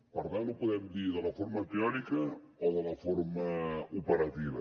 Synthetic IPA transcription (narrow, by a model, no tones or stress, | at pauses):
pɐɾt̪alupuðɛmðiɾðɐlɐfoɾmɐpiɔnikɐ | oðɐlɐfoɾmɐupeɾɐt̪iβɐ̰